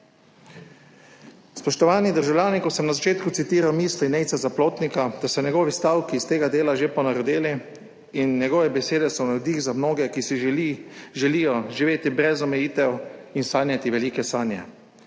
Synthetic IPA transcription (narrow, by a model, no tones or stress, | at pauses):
spɔʃt̪ɔʋaːnid̪əɾʒawljaːnikɔsɛmnazat͡ʃeːt̪kut̪sit̪iːɾawmiːslɔinːejt̪sazaploːt̪nikad̪̥asɛnɛɡɔːʋist̪awkist̪eːɡad̪eːlaʒepɔnaɾɔd̪iːli | inːɛɡɔːʋɛbɛseːd̪ɛsɔnawd̪iːɣzamnoːɡɛkisiiʒɛliːjɔʒiʋeːt̪ibɾɛzɔmɛjiːt̪ɛwinsaːnjat̪iʋɛliːkɛsaːnjɛ̰